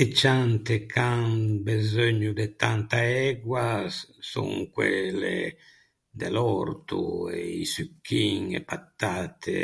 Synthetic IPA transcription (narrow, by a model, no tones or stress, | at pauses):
et͡ʃːant̪ekʰanbezøɲːud̪et̪ant̪aɛɡwasːṵŋkwelːḛ | d̪ḛlɔɾt̪ṵeisykʰːiŋepat̪ːaːt̪ʰḛ